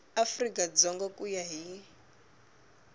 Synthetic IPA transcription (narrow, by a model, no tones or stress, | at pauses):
afrikʼad͡zɔŋɡakujaɦi